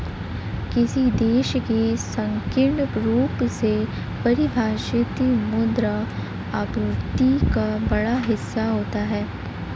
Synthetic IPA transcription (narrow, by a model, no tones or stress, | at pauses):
kɪsid̪eːʃkesɐ̃ŋkɪɖɾuːpse | pɐɾibʱaːʃɪt̪imʊd̪ɾa | abɾʊɾt̪ikabɐɽaɦɪsːaɦoːt̪aɦɛː